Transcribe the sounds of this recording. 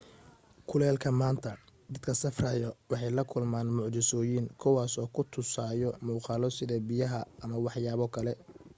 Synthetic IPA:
kʰʊlɛːlkʰɐmaːnt̪ʰɐd̪ɐd̪kʰɐsɐfraːjɔwɑħɑjlɐkʰʊlmaːnmʊʕt͡ʃɪsɔːjɪŋkʰʊwaːsɔːkʰʊt̪ʰʊsaːjɔmuːqɑːlɔsɪðɐbɪjɐɦɐʔɐmɐwɑħjaːβɔkʰɐlɛ

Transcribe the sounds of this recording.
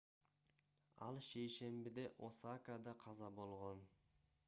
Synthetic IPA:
ɑ̰lˠʃejʃe̞mbɪd̪e̞ʔo̞sakad̪ɑqʰɑzɑbo̞lˠʁon

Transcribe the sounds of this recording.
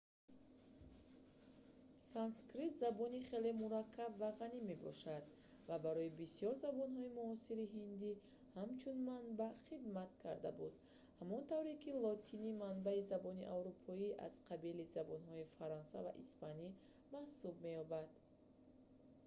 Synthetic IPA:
sanskɾit̪zabɔniχe̞le̞muɾakʰːabvaʁanime̞bɔ̰ʃad̪ | vabaɾɔibisijɔɾzabɔnɦɔimuɔsiɾiɦind̪i | hamt͡ʃʰunmanbaχid̪mat̪kʰaɾd̪abud̪ | hamɔnt̪avɾekilɔt̪ʰinimanbaizabɔniʔavɾupʰɔiʔa̰z̥qʰabilizabɔnɦɔifaɾɔnsa̰va̰ʔḭspani | mahsub̚me̞jɔbad̪

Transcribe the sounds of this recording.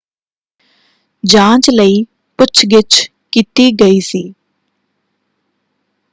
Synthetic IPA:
d͡ʒãːt͡ʃləiː | pʊt͡ʃʰɡɪt͡ʃ | kiːt̪iːɡəiːsiː

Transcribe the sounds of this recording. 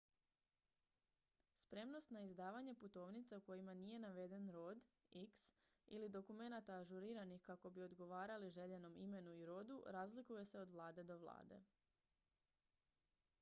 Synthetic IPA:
spɾe̞mno̞st̪naizd̪aːʋaɲe̞put̪o̞ːʋnit̪sauko̞jimanije̞naʋe̞d̪e̞nɾo̞ːd̪ | iks | ilid̪o̞kume̞nat̪aːʒuɾiːɾanixkako̞bio̞d̪ɡo̞ʋaːɾaliʒe̞ʎe̞no̞mime̞nuiɾo̞d̪uɾaːzlikuje̞se̞od̪ʋlˠaːd̪e̞d̪o̞ʋlˠa̰ːd̪e̞̰

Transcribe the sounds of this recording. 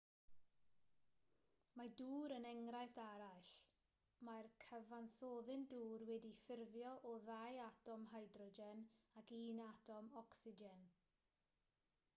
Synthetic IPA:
maduːɾənɛŋrajfd̥aɾaɬ | markʰəvansoːðɪnduːrwɛdifɪrvjɔʔɔðajatʰɔmɦajdrɔd͡ʒɛnakiːnatʰɔmɔksɪd͡ʒɛn

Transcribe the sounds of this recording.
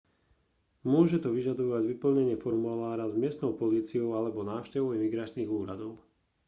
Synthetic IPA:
mʊɔʒɛt̪ɔʋiʒad̪ɔʋaɟʋipl̩ɲɛɲɪɛfɔɾmulaːɾazmɪɛst̪nɔʊpɔliːt͡siɔʊalɛbɔnaːʊʃcɛʋɔʊimiɡɾat͡ʃniːɣuːɾad̪ɔʊ

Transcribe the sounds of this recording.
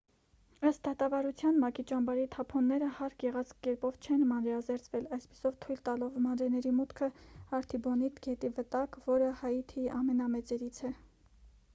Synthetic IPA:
əst̪̚d̪ɑt̪ɑvɑɾut͡sʰjɑnmɑkit͡ʃɑmbɑɾit̪ʰɑpʰɔnːɛɾəhɑɾkʰɡɛʁɑt͡sʰkkɛɾpɔvt͡ʃʰɛnmɑnɾɛɑzɛɾt͡sʰvɛlɑjspi̥sɔvt̪ʰujlt̪ɑlɔvmɑnɾɛnɛɾimut̪kʰəɑɾt̪ʰibɔnit̪ɡɛt̪ivət̪ɑkvɔɾəhɑjit̪ʰiʔɑmɛnɑmɛt͡sɛɾit͡sʰɛ

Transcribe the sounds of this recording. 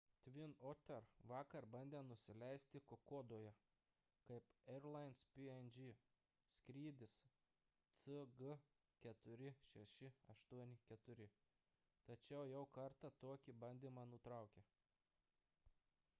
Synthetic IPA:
t̪ʲʋʲɪnoːt̪ʲɛɾʋɑːkɐɾbɐnʲd̪ʲeːnʊsʲɪlʲɛɪsʲt̪ʲɪkokoːd̪oːjɛ | kɐɪpɛɾlˠɐɪnspʲiɛnʲd͡ʒʲi | sʲkɾʲiːd̪ʲɪs | t̪sɨɡə | kʲɛt̪ʊɾʲɪʃʲɛʃʲɪɐʃt̪uɔnʲɪkʲɛt̪ʊɾʲɪ | t̪ɐt͡ʃʲɛʊjɛʊkɐɾt̪ɐt̪oɔkʲibɐnʲd̪ʲiːmɑnʊt̪ɾɑˑʊkʲe

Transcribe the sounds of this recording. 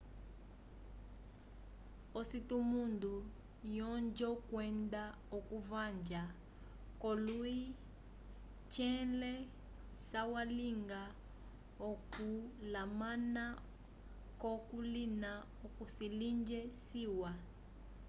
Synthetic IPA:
ositumundu | jɔnd͡ʒɔkwɛnda | okuvand͡ʒa | kɔlui | t͡ʃɛlɛ | sawaliŋɡa | okulamana | kɔkulina | okusilind͡ʒɛsiwa

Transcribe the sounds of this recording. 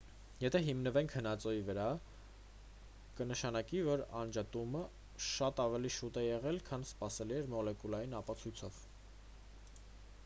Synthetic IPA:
jɛt̪ʰɛɦimnəvɛŋkʰhənɑt͡sɔjivəɾɑ | kənəʃɑnɑkivɔɾɑnd͡ʒɑt̪umə | ʃɑt̪ɑvɛliʃut̪ɛjɛʁɛlkʰɑnspɑsɛliɛɾmɔlɛkulɑjinɑpɑt͡sʰujt͡sʰɔv̥

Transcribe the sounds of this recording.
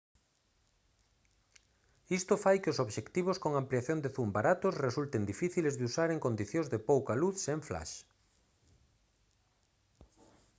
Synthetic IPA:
ist̪ʊfajkɪosoβʃekt̪iβ̞oskoŋampliaθjõnd̪eθumbaɾat̪osresult̪end̪ifiθilezðusaɾeŋkond̪iθjõŋzðepowkaluθseɱfla̰ʃ

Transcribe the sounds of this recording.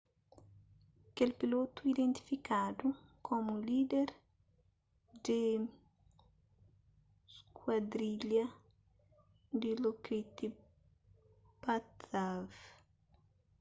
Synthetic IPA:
kelpilot̪uid̪ẽnt̪i̥fikad̪ukʰomulid̪eɾ | d̪ɪ | skwad̪ɾiʎɐ | d̪ilokɾit̪i | pat̪av

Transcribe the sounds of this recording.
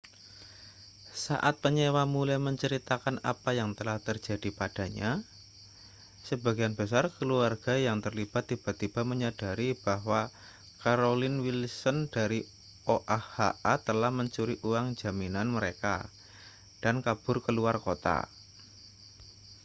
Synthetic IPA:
sa̰ʔat̪̚pəɲewamulajməɲt͡ʃəɾit̪akana̰pajaŋt̪əlaht̪ərd͡ʒ̥a̤d̥ipad̥a̤ɲa̰ | səbaɡijanb̥ə̤sarkəluarɡ̥a̤jaŋt̪ərlib̥at̪ːib̥a̤t̪ib̥a̤məɲad̥a̤ɾib̥aɦwa | kaɾolɪnwilsənd̥aɾi | ʔoʔahaʔat̪əlahməɲt͡ʃuɾiʔuwaŋd͡ʒ̥a̤minanməɾeka̰ | d̥ankab̥ʊrkəluarkot̪a̰

